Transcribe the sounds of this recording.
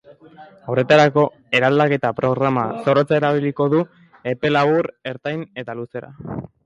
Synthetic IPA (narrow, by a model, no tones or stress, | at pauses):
ore̞t̪aɾako̞ | e̞ɾald̪ake̞t̪apɾo̞ɣɾamaso̞ɾo̞t͡sae̞ɾaβ̞iliko̞ðu | e̞pe̞laβuɾe̞ɾt̪ajne̞t̪aluse̞ɾa̰